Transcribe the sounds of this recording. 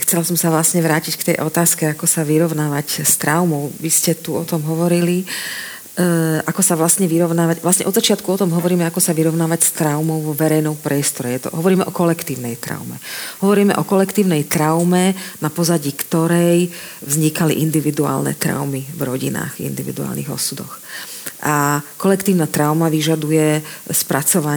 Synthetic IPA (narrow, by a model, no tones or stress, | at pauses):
xt͡sɛlasɔmsaʋlasɲɛʋɾaːcickt̪ɛjʔɔt̪aːskɛakɔsaʋiɾɔʊnaːʋacst̪ɾaʊmɔʊʋiscɛt̪uɔt̪ɔmɦɔʋɔɾili | ʔakɔsaʋlasɲɛʋiɾɔʊnaːʋaɟʋlasɲɛʔɔd̪zat͡ʃɪat̪kuɔt̪ɔmɦɔʋɔɾiːmɛakɔsaʋiɾɔʊnaːʋacst̪ɾaʊmɔʊʋɔʋɛɾɛjnɔmpɾɪɛst̪ɔɾɛjɛt̪ɔ̰ɦɔʋɔɾiːmɛʔɔkɔlɛkt̪iːʊnɛjt̪ɾa̰ʊmɛ̰ɦɔʋɔɾiːmɛ̰ʔɔkɔlɛkt̪iːʊnɛjt̪ɾaʊmɛnapɔzaɟiːkt̪ɔɾɛjvzɲikalḭʔind̪iʋid̪ua̰ːlnɛ̰t̪ɾa̰ʊmivɾɔɟina̰ːɣḭnd̪iʋḭd̪ua̰ːlnḭɣɔ̰sud̪ɔ̰xʔakɔlɛkt̪iːʊnaːt̪ɾaʊmaʋiʒad̪ujɛspɾat͡sɔʋa